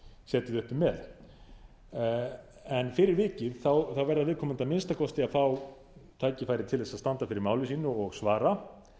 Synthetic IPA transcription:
sɛːt̪ɪðʏhpʏmːɛð | ɛnfɪːɾɪɾvɪːcɪðθawθawvɛɾðaðvɪːðkʰɔːmʏnt̪amɪnst̪akʰɔst̪ɪaðfaw | t̪ʰaːjcɪfaːjɾɪt̪ʰɪlðɛsaðst̪ant̪afɪɾɪɾmaːwlɪsiːnʏɔɣsvaːɾa

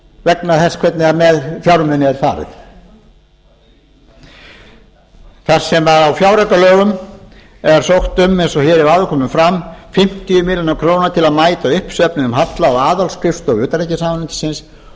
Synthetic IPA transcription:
vɛknaðθɛskʰvɛt̪nɪamɛðfjawɾmɛnɪɛɾ̥fa̰ːɾɪ̰ð | θar̥sɛmaðawfjawɾakalœːɣʏm | ɛɾ̥sowxt̪ʏmːejnsɔçɛːɾɪvaːðʏkʰɔːmʏmfɾamfɪm̥t̪iʏmɪljɔnakʰɾoːwnaɾt̪ʰɪlaðmaːjt̪aʏhpsœpnɪnʏmhat̪laɔaːðalskʰɾɪft̪ɔɣʏːt̪aɾejcɪsaːmanʏnt̪ɪ̥sɪns

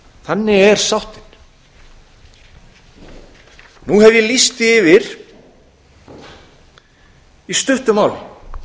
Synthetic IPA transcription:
θanːɪɛɾ̥sawht̪ɪn̥ | nuɦɛvjɛlist̪ɪɪːvɪɾ̥ | ist̪ʏht̪ʏmawlɪ̰

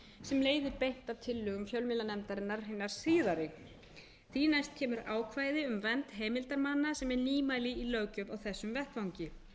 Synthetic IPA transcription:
sɛmleːjðɪpejn̥t̪avt̪ʰɪlːʏːɣʏmfjœlmɪlanɛmt̪aɾɪnːaɾɦɪnːaɾ̥siːðaɾɪ | θinajst̪̚cʰɛːmʏɾaːwkʰvaːjðɪʏmvɛnt̪ɦeːmɪlt̪aɾmanːasɛmɛɾniːmajlɪilœɥcʏvawθɛsːʏmvɛht̪vawɲcɪ

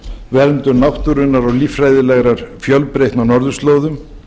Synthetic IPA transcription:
vɛɾnt̪ʏɾnawht̪uɾʏnːaɾɔɣliːfɾaːjðɪlɛɣɾaɾ̥fjœlpɾejht̪nawnɔɾðʏst̪loːwðʏm

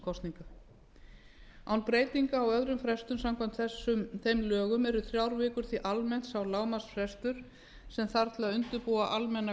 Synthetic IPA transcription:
kʰɔst̪niŋka | awnpɾeːjt̪iŋkaːwœðɾʏmfɾɛst̪ʏmsamkʰajm̥t̪θɛsːʏmθejmlœːɣʏmɛɾʏθɾjawɾvɪːkʏɾ̥θiʔalmɛn̥t̪sawlaːwmasfɾɛst̪ʏɾ̥ | sɛmθaɾt̪ʰɪlaðʏnt̪ʏɾpuːaʔalmɛnːa

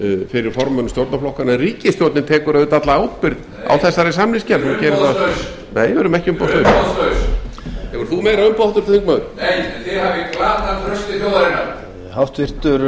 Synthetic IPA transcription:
fɪɾɪɾfɔɾmœnʏst̪jowɾt̪naflɔhkanɛriːcɪst̪jowt̪nɪt̪ʰɛːkʏɾœðɪt̪at̪laawt̪pɪɾð | a̰wθɛsːaɾɛsamnɪscɛɾhuncɛːɾɪθa | nejvɛɾʏmɛhcɪʏmpawst̪œst̪ø | ɛɔɾθumeːjɾaʏmpawht̪ʏɾ̥θɪθiŋkmaðʏjθɪɾhavɪklaːt̪ankʰɾœst̪ɪθjowðaɾɪna | hawft̪vɪr̥t̪ʏɾ

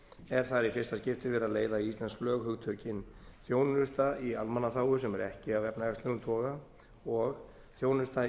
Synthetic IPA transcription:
ɛɾ̥θaɾifɪ̥st̪ascɪft̪ɪvɛɾaðleːjðaiist̪lɛnsklœːɣhʏɣt̪ʰœːcɪnθjoːwnʏst̪aialmanːaθaːwʏsɛmɛɾɛ̰hcɪavɛpnaɛst̪leɣʏnt̪ʰɔːɣa | ɔɣ | θjoːwnʏst̪a

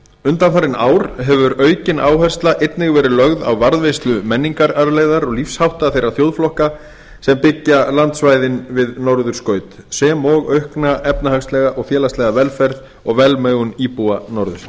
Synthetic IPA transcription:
ʏnt̪anfaɾɪnaːwɾ̥ɦɛvʏɾœːɥcɪnaːwɦɛr̥st̪laʔet̪nɪɣvɛːɾɪlœɣða̰wvaɾðvejst̪lʏmɛnːiŋkaɾaɾlejðaɾɔɣlifshawht̪aθejraθjowðflɔhka | sɛmpɪcːalant̪svaːjðɪnvɪðnɔwɾðʏɾ̥skœːɥt̪ | sɛːmɔɣœɥhknaʔɛpnahaxst̪lɛɣaʔɔɣfjɛːlast̪ɛɣavɛlfɛɾð | ɔɣvɛlmœːɥɣʏniːpuanɔɾðʏ̰ɾ

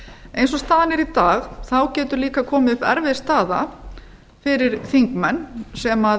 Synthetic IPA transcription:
ejnsɔst̪aːðanɛɾit̪aːɣθawcɛːt̪ʏɾliːkakʰɔːmɪʏpɛ̰ɾvɪst̪aːða̰ | fɪɾɪɾ̥θiŋkmɛnːsɛma

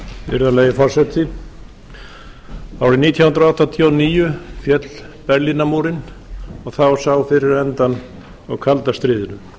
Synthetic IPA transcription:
vɪ̰ɾðaleːjɪfɔɾ̥sɛt̪ʰɪ | aːwɾɪniːt̪ʰjawhʏnɾaawht̪ːat̪ʰjɔniːjʏfjɛt̪l̥ | pɛɾlinamuːɾɪnɔɣθawsawfɪɾɪɾɛnt̪an | ɔɣkʰalt̪ast̪ɾɪːðɪnʏm

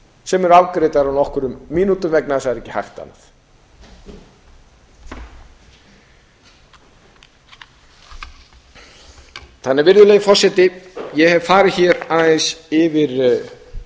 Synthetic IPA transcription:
sɛmɛɾawkɾeːjt̪aɾawnɔhkʏɾʏmːiːnut̪ʏmvɛknaðsaðɛɾɛcːɪ̥ha̰jxt̪a̰na̰θ | θanːɛɾvɪɾðʏleːjɣɪfɔrsɛt̪ɪjɛhɛvfaːɾɪçɛɾaðɪsɪvɪɾ

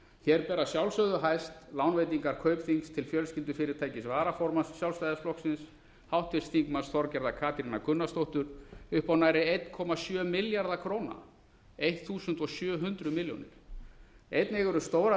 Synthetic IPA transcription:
çɛɾpɛːɾasjawlsœðʏɦajst̪lawnvejt̪̬iŋkaɾ̥kʰœːɥpθiŋkst̪ʰɪlfjœlscɪlt̪ʏfɪɾɪɾ̥t̪ʰaːjcɪsvaːɾafɔɾmanssjawlst̪ajðasplɔhksɪns | hawht̪vɪst̪θiŋkmansθɔɾcɛɾðakʰaːpʰjɾɪnakʏnːast̪owht̪ʏɾ̥ʏhpawnajɾɪejt̪nkʰɔmasjœːmɪljaɾðakʰɾoːwna̰ | ejht̪θuːsʏnt̪ɔsjœːɦʏnt̪ɾʏmɪljo̰wnɪ̰ɾ̥ | ejt̪nɪɣʏɾʏst̪oːwɾa

